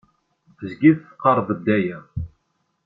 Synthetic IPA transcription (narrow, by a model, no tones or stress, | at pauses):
θəzɡiθθqːɑɾˤvˤəd̪ːæjæ